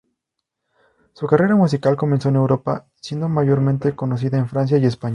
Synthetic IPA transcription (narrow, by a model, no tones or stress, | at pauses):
sukare̞ɾamus̬ikalko̞me̞nsoene̞wɾo̞pa̰ | sje̞nd̪o̞maʝo̞ɾmẽnt̪e̞ko̞no̞s̬iðaenfɾans̬jaje̞spaɲ